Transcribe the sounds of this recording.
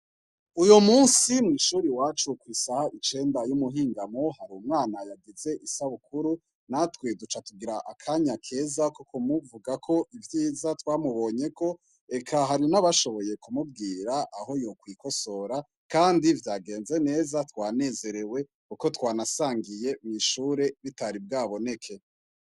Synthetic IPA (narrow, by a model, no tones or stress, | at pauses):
ujomuːnsimŋiːʃuːɾiwat͡ʃukwisahaʔit͡ʃe̞ːndajumuɦiːŋɡamohaɾuːmŋaːnajaɡize̞ʔisaβukuɾu | natwedut͡ʃatuɡiɾaʔa̰kʰaɲakʰe̞ːzakokʰomuvuɡakʰo̞ʔivjiːzatwaːmuβo̞ɲe̞ko̞ | e̞kʰaɦaɾinaβaʃo̞βo̞je̞kumub̚ɡiːɾaʔːɦo̞jo̞kwiko̞so̞ɾa | kaːndivjaːɡe̞ːnze̞ne̞ːzatwaːne̞ːze̞ɾe̞we̞ | kuko̞twaːnasaːŋɡije̞mŋiʃuːɾe̞βitaɾibɡaːβo̞ne̞kʰe̞